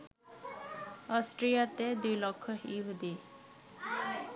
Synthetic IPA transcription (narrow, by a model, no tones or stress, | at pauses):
ɔsʈɾijat̪ed̪ujlokʰːɔiɦud̪i